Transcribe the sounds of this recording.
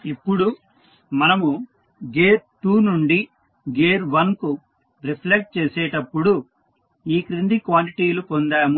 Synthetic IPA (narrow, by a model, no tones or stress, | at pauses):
ipːuɽu | mɐnɐmu | ɡeːɾʈuːnuɳɖi | ɡeːɾʋɐnku | ɾipʰlek̚ʈ̚t͡ʃeːsɛːʈɐpːuɽu | iːkɾind̪ikʋaːliʈiːlupond̪aːmu